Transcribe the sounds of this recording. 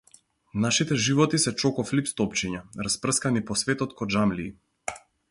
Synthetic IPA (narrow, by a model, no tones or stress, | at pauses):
naʃit̪ɛʒivɔt̪isɛt͡ʃɔkɔflipst̪ɔpt͡ʃiɲaɾaspr̩skanipɔsvɛt̪ɔt̪kɔd͡ʒamliː